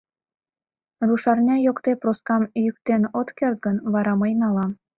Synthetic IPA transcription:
ruʃɑrnʲɑjokt̪eproskɑmjyk̚t̪enot̪kert̪̚ɡənβɑɾɑməjnɑlɑ

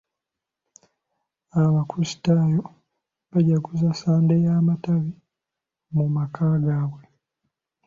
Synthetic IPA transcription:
aβakusi̥tajo | βaɟakuzasaːndejaːmataβi | mumakʰaːɡaːβwe

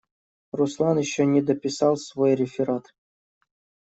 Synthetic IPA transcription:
ruslˠɑnɪɕːonʲed̪əpʲisɑlˠsvojrʲɪfʲɪɾat̪

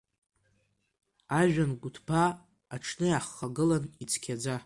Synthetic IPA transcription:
aʒᶣanɡʷʊtʰpʰaː | ʈ͡ʂʰnɨjaχːaɡɨlanit͡sʰkʲʰad͡za

